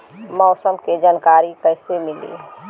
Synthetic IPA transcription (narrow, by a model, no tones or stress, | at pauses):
mɔʊsəmked͡ʒankaɾikəjsemilḭ